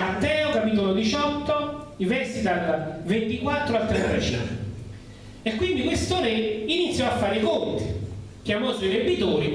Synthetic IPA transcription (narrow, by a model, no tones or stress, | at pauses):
at̪ːɛːokapit̪̬olod̪it͡ʃɔt̪ːo | ivɛrsit̪alvent̪ikwat̪ːɾoat̪ːɾet̪ːɾɛt͡ʃa̰ | ekːwind̪ikwest̪oːneinit̪sːjɔafːaːɾeikont̪i | kjamɔsoiɾebit̪oːɾi